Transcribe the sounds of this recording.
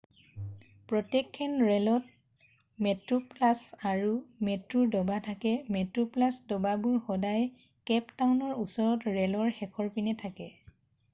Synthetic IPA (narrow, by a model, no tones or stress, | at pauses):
pɹɔtɛkʰːɛnɹɛlɔt̚ | mɛtɹuplasaɹumɛtɹuɹdɔbatʰakɛmɛtɹuplasdɔbabuɹxɔdaj | kɛptawnɔɹusɔɹɔtɹɛlɔɹxɛkʰɔɹpinɛtʰakɛ